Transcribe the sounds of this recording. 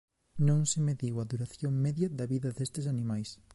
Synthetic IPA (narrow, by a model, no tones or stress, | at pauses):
nõŋsɪmeðiwɐðuɾaθjoŋmɛðjɐðɐβiðɐðest̪ɪs̬anĩmajs